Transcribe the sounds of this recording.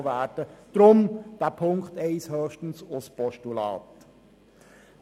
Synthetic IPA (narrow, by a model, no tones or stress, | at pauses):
ʋæːd̥əd̥ɾʊmd̥æpʰʊŋktɛɪshøːχʃtən̩sʊspɔʃtulɑ̰ːt̪